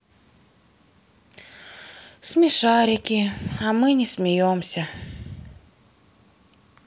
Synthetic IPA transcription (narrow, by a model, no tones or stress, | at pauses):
smʲiʃɑːɾʲakʲiamɨnʲismʲɪjomsʲa